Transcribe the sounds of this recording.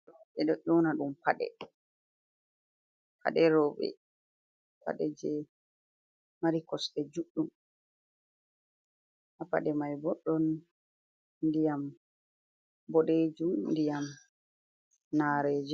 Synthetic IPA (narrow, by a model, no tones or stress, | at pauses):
ɛɗɔʔɔnaɗumpaɗɛ̰ | pʰa̰ɗɛɾɔɓɛ̰ | pa̰ɗɛd͡ʒɛ | maɾikɔsɗɛd͡ʒuɗːum | ʔapa̰ɗɛmajbɔɗːɔn | dijam | bɔɗed͡ʒundijam | naɾeːd͡ʒɛ